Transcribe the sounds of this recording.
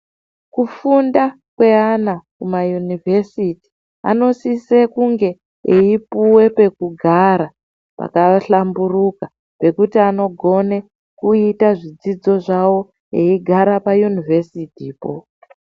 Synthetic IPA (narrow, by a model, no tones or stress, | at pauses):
kufunda | kwe̞anakumajunivesiti̥ | a̰no̞sisekuŋɡe̞ | eipuwe̞pe̞kuɡʱaɾa | pa̰kaɬamburuka | pe̞kutiano̞ɡʱo̞ne̞ | kuitaʐid͡zid͡zo̞ʐawo̞ | eiɡʱaɾapajunive̞sitiːpo̞̰